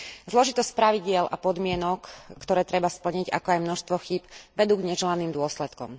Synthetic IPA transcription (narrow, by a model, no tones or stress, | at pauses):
zlɔʒit̪ɔsc̚pɾaʋiɟɪɛlʔa̰pɔd̪mɪɛnɔkːt̪ɔɾɛːt̪ɾɛbaspl̩ɲiɟa̰kɔajmnɔʃst̪ʋɔxibʋɛd̪uːɡɲɛʒɛlaniːmd̪ʊɔslɛt̪kɔ̰m